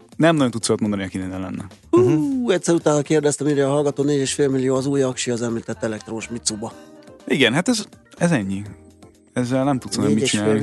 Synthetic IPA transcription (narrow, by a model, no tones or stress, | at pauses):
nɛmnɒjot̪ut̪soːt̪mo̞nd̪ɒniɒkinɛnɛlɛ̰nːɛ̰ | uɛcʲsɛɾut̪aːnːɒkeːrd̪ɛst̪ɛmiɾɛɒɦɒlɡɒt̪oːneːɟeːʃfeːlmilijoːɒzuːjɒkʃiɒzɛmlit̪ɛt̪ːɛlɛk̚t̪roːʃmit̪subɒiɡɛnɦat̪ɛzɛzɛɲːi | ɛzːɛlnɛmt̪ut̪sonɛmit͡ʃinaːji